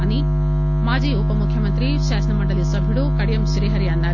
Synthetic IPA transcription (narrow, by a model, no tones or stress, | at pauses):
ni | maːd͡ʒiːupɐmukʰjɐmɐnt̪ɾiʃaːsɐnɐmɐɳɖɐlisɐbʱiɽukɐɽijɐmʃɾiːɦɐɾijanːa